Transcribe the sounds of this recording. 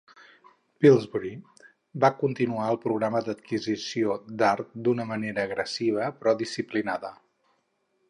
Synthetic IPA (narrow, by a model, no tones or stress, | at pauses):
pilˠzβuɾi | bakunt̪inuaəlˠpɾuɣɾaməd̪ət̪̚kizisiod̪aɾt̪̚d̪unəməneɾəːɣɾəsiβ̞əpɾɔðisiplinaðə